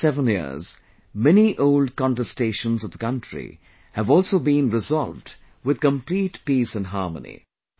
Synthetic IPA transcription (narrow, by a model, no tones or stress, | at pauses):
sɛvə̃njɪ̰z | mɛniʔoʊld̚kɑ̃ntɛsteɪʃə̃nzʌvðəkʌ̃ntɹ̥ḭ | hɨvɔːlˠsoʊbĩnɹɪzɔlvd | wɨð̥̚kə̃mpliːtpisɨ̃nɦɑɹmə̰nḭ